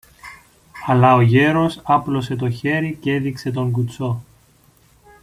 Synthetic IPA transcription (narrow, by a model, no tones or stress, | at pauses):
ɐlɐoʝe̞ɾo̞sɐplo̞se̞t̪̬o̞çe̞ɾice̞ðikse̞t̪̬o̞ŋɡut͡so̞